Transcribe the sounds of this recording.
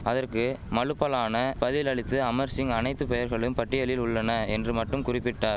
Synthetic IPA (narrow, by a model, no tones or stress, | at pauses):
ɐðɐrkɯmɐɻɯpːɐlaːnɐpɐðɪlɐɭɪt̪ːɯɐmɐɾsɪŋɐnɐɪt̪ːɯpɛjɐɾɣɐɭɯmpɐʈːɪjɐlɪlʊɭːɐnɐɛndrɯmɐʈːɯmkʊrɪpːɪʈːaːɾ